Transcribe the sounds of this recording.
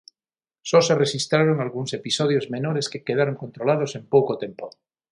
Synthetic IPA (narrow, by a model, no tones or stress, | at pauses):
soserexist̪ɾaɾoŋalɣuŋsepisoðjozmenoɾeskekeðaɾoŋkont̪ɾolað̞osempowkot̪empo